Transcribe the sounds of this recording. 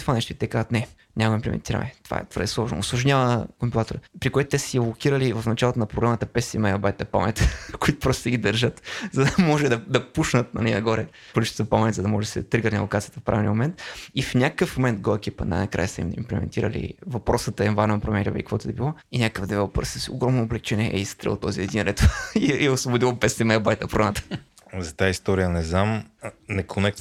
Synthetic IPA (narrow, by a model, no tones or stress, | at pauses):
t̪o̥vanɛʃt̪oit̪ɛkazət̪nɛ | ɲʲamimplɛ̰mɛ̰nt̪iɾə̰nɛ̰t̪ov̥a̰ɛ̰t̪ovəɾd̪ɛslˠɔʒno̰ʊslˠʊʒɲʲavəkompilˠat̪oɾəpɾikoɛt̪ʊ̥t̪ɛsə̥silˠokʲiɾəlivəfnɐt͡ʃalˠot̪onɐpɾoɡɾamət̪əpɛsḭmajɐbajt̪ɐpa̰mɛ̰t̪koit̪ʊ̥pɾɔst̪ːɡid̪əɾʒət̪zɐd̪ɐmɔʒɛd̪ɐd̪ɐpuʃnət̪nɐ̰lʲɛnɐɡɔɾɛ | kolit͡ʃɛ̥t̪t̪əpamɛnʲzɐd̪ɐmɔʒɛsid̪t̪ɾiɡəɾnʲilˠokat̪siət̪əfpɾavʲinʲḭmomɛnt̪ifnʲakkəfmomɛnt̪̚ɡoɛkʲipə̰na̰jnɐkɾa̰jəsɛḭmḭmplɛ̰mɛ̰nt̪iɾə̰lḭvɐpɾɔsət̪əɛnvannpɾomɛɾʲḭv̰ikvɔt̪oɛbilˠɔinʲakəkəfd̪ɛvɛlˠpə̰ɾsəso̰ɡɾɔmnoːblɛk̚t͡ʃɛnʲɛʔɛist̪ɾɛ̰lˠt̪ɔziɛd̪inɾɛt̪iɛʊsvobʊd̪ilˠəpɛsɛmɛbajt̪əpɾonat̪ə̥ | zɐt̪aist̪ɔɾijənɛznamnɛkʰonɛkt̪